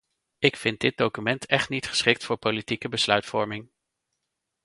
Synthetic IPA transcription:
ɪkfɪnt̚dɪd̚dowkymɛntʰɛχtnitχə̥sχɪk̚tfʊːɹpolitikəbəslœɥtfɔɹmɪŋ

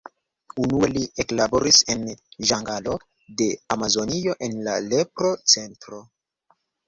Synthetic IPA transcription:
unuelieklabo̞ɾise̞nʒaŋɡalo̞ | de̞amazo̞nio̞ʔe̞nlale̞pɾo̞t͡se̞ntɾo̞

